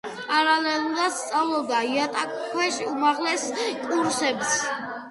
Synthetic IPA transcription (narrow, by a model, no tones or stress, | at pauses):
pʼaɾalɛlˠuɾad̪̥st̪sʼavlˠɔb̚d̪aiat̪ʼakʼkʰwɛʃiumaʁlɛskʼuɾsɛbs